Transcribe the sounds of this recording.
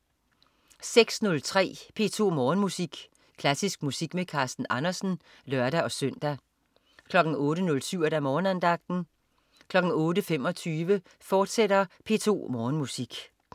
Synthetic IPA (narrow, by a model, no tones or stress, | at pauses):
seɡ̥snɔ̽lt͡sʰʁɛ̰ːpʰe̝ːt͡sʰo̝̰ːmɒːnmusiɡ̥ | kʰlæsisɡ̥̚musiɡ̥mekʰɑ̈ːsd̥n̩ʔɑ̈nɐsn̩ | lɶɐɾæʔɒ̽søn̰d̥æ | kʰlɒ̽ɡ̥n̩ɔ̽ːɾənɔ̽lsyʊ̰ed̥æmɒːnænd̥ɑ̈ɡ̥̚d̥n̩ | kʰlɒ̽ɡ̥n̩ɔːɾəfem̰ɒ̽t͡sʰyːʋə | fɒːd̥seɾɐpʰe̝̰ːt͡sʰo̝̰ːmɒːnmusiɡ̥